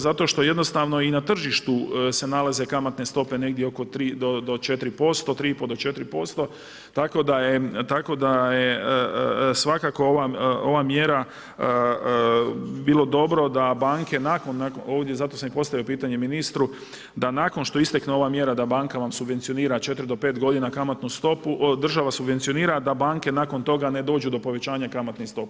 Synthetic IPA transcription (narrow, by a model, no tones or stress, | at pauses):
zat̪o̞ʃt̪o̞je̞d̪no̞st̪aːʋno̞inat̪r̩ʒiʃt̪use̞nalaze̞kamat̪ne̞st̪ope̞ne̞ɡd̪jeoko̞t̪ɾiːd̪od̪ot͡ʃe̞t̪ɾipo̞st̪o̞t̪ɾiːipod̪ot͡ʃe̞t̪ɾipo̞st̪o̞ | t̪ako̞d̪ajet̪ako̞d̪aje | sʋakaːko̞oʋao̞ʋaːmjeɾa | bilˠo̞d̪o̞bɾo̞d̪abaːŋke̞nakonːakoːʋd̪jezat̪o̞samipo̞st̪aʋjiopiːt̪aɲe̞minist̪ɾu | d̪anako̞nʃt̪o̞ist̪ekneo̞ʋaːmje̞ɾad̪abaːŋkaʋamsubʋent̪sio̞niːɾat͡ʃe̞t̪ɾid̪opeːt̪ɡo̞d̪inakamat̪nust̪o̞puʔd̪r̩ʒaʋasubʋe̞nt̪sio̞niːɾad̪abaːŋke̞nako̞nt̪o̞ɡane̞d̪o̞ːd͡ʒud̪o̞po̞ʋe̞t͡ɕaːɲakamat̪nist̪o̞p